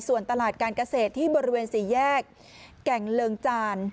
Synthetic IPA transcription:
su˨˩ənt̪a˧laː˨˩t̪̚kaː˧nka˧seː˨˩t̪ʰːiː˥˩bɔː˧ɾi˦˥weː˧nsiː˩˦jɛː˥˩kː | ɛ˨˩ŋlɤː˧ŋt͡ɕaː˧n

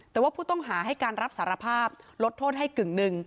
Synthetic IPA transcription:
t̪ɛː˨˩waː˥˩pʰuː˥˩t̪ɔ˥˩ŋɦaː˩˦ɦa˥˩jkaː˧nɾa˦˥p̚saː˩˦˥ɾa˧pʰaː˥˩p̚lo˦˥t̪ʰːoː˥˩t̪̚ɦa˥˩jkɯ˨˩ŋnɯ˧ŋ

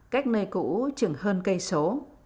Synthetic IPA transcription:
kaː˦˥jk̟̚nəː˧jkṵ˧˥t͡ɕɨ˨˧˩ŋhəː˧nkə˧jso˨˦

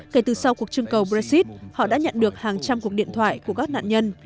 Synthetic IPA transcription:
ke˧˩t̪ɨ˨˩sa˧wku˨˩ək̚t͡ɕɨ˧əŋkə˨˩wɓɾa˧k̚si˦˥t̚hɔ̰˧˨ɗa̰ː˧˥ɲə̰˧˨nɗɨ˨˩ək̚haː˨˩ŋt͡ɕa˧mku˨˩ək̚ɗḭ˧˨ənt̪ʰwa̰ː˧˨jku˧˩əkaː˦˥k̚na̰ː˧˨nɲə˧n

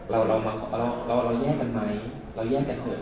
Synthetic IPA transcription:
ɾa˧wɾʔa˧wmaː˧kʰɾa˧wɾa˧wɾa˧wjɛː˥˩ka˧nma˧j | ɾa˧wjɛː˥˩ka˧nhʰoː˧˩

